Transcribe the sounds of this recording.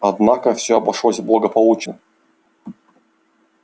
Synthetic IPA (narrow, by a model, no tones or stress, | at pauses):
ɐd̪nakəfsʲɵɐbɐʂlˠosʲblˠəɡəpɐlˠut͡ɕnə